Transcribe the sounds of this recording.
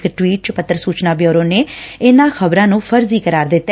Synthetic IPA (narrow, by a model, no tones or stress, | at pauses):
kʈwiːʈ̚t͡ʃpət̪ːəɾsuːt͡ʃnaːbjoːɾoːneːɪnãːkʰəbɾãːnũːpʰəɾziːkəɾaːɾd̪ɪt̪ː